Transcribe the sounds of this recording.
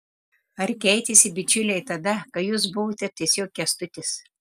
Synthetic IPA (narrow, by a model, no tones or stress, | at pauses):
ɐɾkʲɛɪt̪ʲɪsʲɪbʲɪt͡ʃʲʊlʲɛɪt̪ɐd̪ɐkɐjuːs̬bʊʋoːt̪ʲɛt̪ʲiɛsʲoːkʲːɛst̪ʊt̪ʲɪs